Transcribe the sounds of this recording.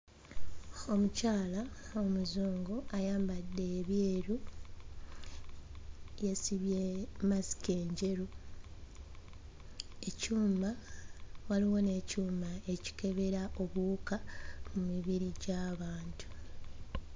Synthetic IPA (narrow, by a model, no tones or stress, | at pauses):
o̞mucaːlaomuzoːŋɡoajaːmbadːe̞ːβjeːɾu | jesiβjemasi̥ke̞ːɲɟe̞ɾu | e̞cuːma | waliwo̞ne̞cuːmae̞ci̥ke̞βe̞ɾaʔo̞βukamumiβiɾiɟaːβaːntʰu̥